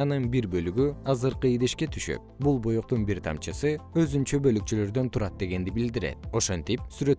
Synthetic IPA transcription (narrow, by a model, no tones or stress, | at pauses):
nɯnbiɾbø̞lyɡyɑzɯɾqɯid̪eʃke̞t̪ʰy̥ʃø̰p̚bulˠbojuq̚t̪unbiɾt̪ʰɑ̰mt͡ʃɯsɯø̞zynt͡ʃøbø̞lyk̚t͡ʃylø̞ɾd̪ø̞nt̪ʰuɾɑt̪̚d̪e̞ɡe̞nd̪ibild̪iɾe̞̰t̪̚o̞ʃont̪ip̚syɾø̞t̪